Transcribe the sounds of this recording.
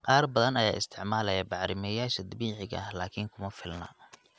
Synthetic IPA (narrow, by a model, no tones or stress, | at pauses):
qɑːrbɐðɐnɐjaːɪst̪ʰɪʕmaːlɛjabɑʕɾɪmɛjaːʃɐd̪ɐbiːʕɪɣɐɐhlaːkʰɪŋkʰʊmɐfɪlnɐ̰